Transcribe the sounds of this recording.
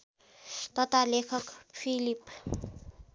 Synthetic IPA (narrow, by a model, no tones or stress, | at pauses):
t̪ʌt̪alekʰʌkpʰilip